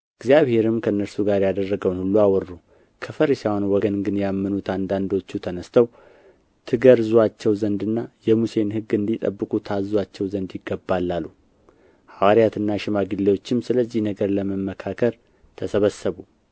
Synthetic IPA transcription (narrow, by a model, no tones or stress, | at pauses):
ɨɡzijaβhe̞ɾɨmkʰəɨnːəɾsuɡaɾjad̪ərːəɡəwnhulːuawɔɾːu | kʰəfəɾisawanwɔɡənɡɨnjamːɨnut̪ʰand̪and̪o̞t͡ʃːut̪ʰənəst̪ʰəw | t̪ʰɨɡəɾzuat͡ʃːɛwzənd̪ɨnːajɛmuse̞nhɨɡɨnd̪it̪ʼə̰bːɨkʼut̪ʰazːwat͡ʃːɛwzənd̪jɪɡːəbːalːalːu | hawaɾijat̪ʰɨnːaʃɪmaɡɨlːewo̞t͡ʃːɪmsɨləzːɪhnəɡəɾləməmːəkʰakʰəɾ | t̪ʰəsəβəsːəβu